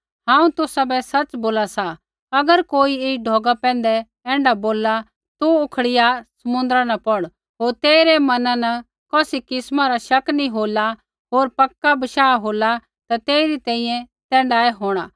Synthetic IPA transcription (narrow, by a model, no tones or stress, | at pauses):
ãːũt̪ʊsabɛsɐt͡ʃboːlasa | ɐɡəɾkoːieːɖʱɔːɡapɛ̃ːn̆d̪ɛ | ɛ̃ːɳɖaboːlːa | t̪uʊkʰɽɪjasɐmʊ̃nd̪əɾanɐpɔɽ | ɦoːɾt̪eːɪɾɛmɐnãnɐ | kɔːsikɪsmaɾaʃɐknĩɦoːla | ɦoːɾpɐkːabɐʃaːɦoːla | t̪at̪eːɪɾit̪ɛ̃ːĩjɛ̃ | t̪ɛ̃ːɳɖaːɛɦoːɽ̃aː